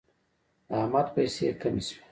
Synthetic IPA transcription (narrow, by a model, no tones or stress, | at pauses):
ahmat̪pajsḛkamiswe̥